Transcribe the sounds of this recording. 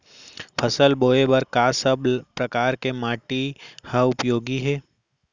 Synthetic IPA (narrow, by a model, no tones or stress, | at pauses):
pʰəsəlboːebɐɾkaːsəbpɾɐkaːɾkemaːʈihaʊpjoːɡiɦɛː